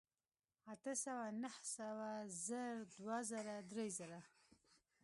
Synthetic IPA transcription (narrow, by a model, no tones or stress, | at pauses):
at̪əsawanahsawazəɾd̪wazəɾad̪ɾezəɾa